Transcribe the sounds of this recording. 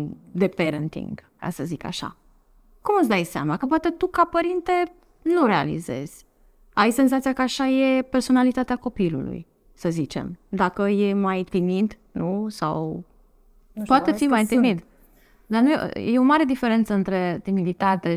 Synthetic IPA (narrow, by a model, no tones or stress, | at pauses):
d̪epeɾənt̪ḭŋɡka̰səzika̰ʃa̰ | kumət̪sd̪ajseamakəpoat̪e̞t̪ukapəɾint̪e̞ | nuɾe̞a̰lḭze̞̰z̥ʲ | ajse̞nzat̪sijakəaʃaje̞pe̞rso̞nalit̪at̪eako̞pilṵlṵj | səzit͡ʃe̞̰md̪akəjemaj̪t̪imit̪ | nusa̰w | poat̪eimajt̪imit̪ | d̪anuj̰jeomaɾe̞d̪ife̞ɾe̞nt̪səɨnt̪ɾe̞t̪imid̪it̪at̪e̞